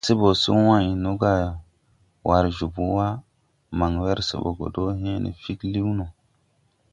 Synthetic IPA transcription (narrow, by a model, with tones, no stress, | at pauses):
se˦bo˨su˦wã˦jno˦ɡa˦˨ | wʔa˨ɾʒu˨bu˦wa˦ | ma˨ŋwe˦ɾsḛ˨bo̰˨ɡo̰˨do˦ɦẽ˦nḛ˨fi˦kli˦wno˨